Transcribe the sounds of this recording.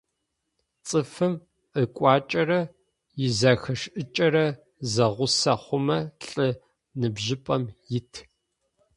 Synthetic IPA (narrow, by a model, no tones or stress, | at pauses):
t͡sʼɨfɨm | ʔəkʷʼɑːt͡ʃʼɐrɐ | jɪzɐxɐʂʔɨt͡ʃʼɐɾɐ | zɐʁʷʊsɐχʷʊmɐɬʼɨ | nɨbʒɪpʼɐmjɪtʰ